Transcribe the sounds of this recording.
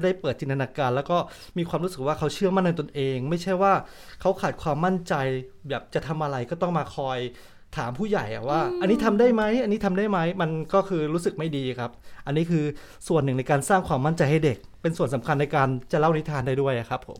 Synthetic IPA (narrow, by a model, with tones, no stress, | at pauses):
da˥˩jpɤː˨˩t̪̚t͡ɕi˧nt̪ʰa˧naː˧kaː˧nlɛ˦˥wkɔː˥˩ | miː˧kwaː˧mɾuː˦˥sɯ˨˩k̚waː˥˩kʰa˦˥wt͡ɕʰɯ˥˩əma˥˩nːa˧t̪o˧nʔeː˧ŋma˥˩jt͡ɕʰa˥˩jwaː˥˩ | kʰa˦˥wkʰaː˨˩t̪̚kʰwaː˧mːa˥˩nt͡ɕa˧jbɛː˨˩p̚t͡ɕa˨˩t̪ʰa˧mʔa˧ɾa˧jkɔː˥˩t̪ɔ˥˩ŋmaː˧kʰɔː˧j | t̪ʰaː˩˦mpʰuː˥˩ja˨˩jʔa̰˨˩waː˥˩ʔa˧nːiː˦˥t̪ʰa˧mdaː˥˩jma˦˥ja˧nːiː˦˥t̪ʰa˧mda˥˩jma˦˥jma˧nkɔː˥˩kʰɯː˧ɾuː˦˥sɯ˨˩k̚ma˥˩jdiː˧˨˩kʰa˦˥p̚ʔa˧nːiː˦˥kʰɯː˧ | su˨˩ənːɯ˨˩ŋna˧jkaː˧nsaː˥˩ŋkʰwaː˧mːa˥˩nt͡ɕa˧jha˥˩jde˨˩k̚pe˧nsu˨˩ənsa˩˦mkʰa˧nːa˧jkaː˧nt͡ɕa˨˩la˥˩wni˦˥t̪ʰaː˧nda˥˩jdu˥˩əjʔa˨˩kʰa˦˥pʰːo̰˩˦m